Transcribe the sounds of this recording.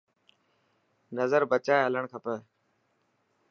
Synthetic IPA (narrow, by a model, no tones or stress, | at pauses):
nəzəɾbət͡ʃaːeɦələɳ̃kʰəpəː